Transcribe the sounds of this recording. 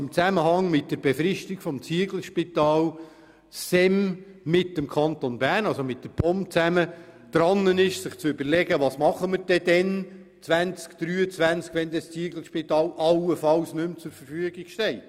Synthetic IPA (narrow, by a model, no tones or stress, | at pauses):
ɪmt͡sæməɦɑŋmɪt̚d̥əɾb̥efɾɪʃtiɡfɔmt͡siəɡl̩ʃpit̪ɑːl | sɛmː | ɪtːəmkʰɑnt̪onbæːɾnɑlsomɪt̚dəpʰɔmpt͡sæməd̪̥ɾɑnːənɪʃsɪχt͡sʏbəɾlɛɡəʋɑsmɑχəməɾd̥ɛdɛn | t͡sʋænt͡skd̪̥ɾyːət͡svænt͡skʋɛnd̪əst͡siəɡl̩ʃpit̪ɑːlʔɑlːəfɑlsnɵmt͡sʊɾfəɾfyəɡiɡ̥ʃtɛɪt